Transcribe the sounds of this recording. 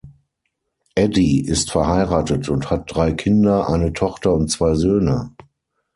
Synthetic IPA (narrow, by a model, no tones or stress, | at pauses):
ʔɛdiʔɪstfɛɐhaɪʁaːtətʰʊnthat̚d̥ʁaɪkʰɪndɐʔa̰ɪnətʰɔχtɐʊnt̚t͡sv̥aɪzøːnə